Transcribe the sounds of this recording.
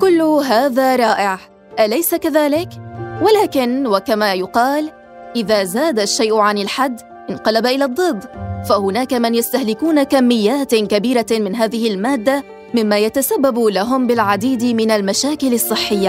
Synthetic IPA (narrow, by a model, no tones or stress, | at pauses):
kʊlːʊɦaːðaːɾˤɑːʔɪʕ | ʔalajsakaðaːlɪkwalaːkɪnwakamaːjʊqɑːl | ʔɪðaːzaːd̪ʃːajʔʊʕanɪlħad̪ː | ʔɪnqɑlabaʔɪlaːd̪ˤːɨd̪ːfahʊnaːkamanjast̪ahlɪkuːnakamːɪjːaːt̪kabiːɾamɪnɦaːðɪhɪlmaːd̪ːa | mɪmːaːjat̪asabːabʊlaɦʊmbɪlʕad̪iːd̪mɪnalmaʃaːkɪlɑsˤːɨħːɪjːa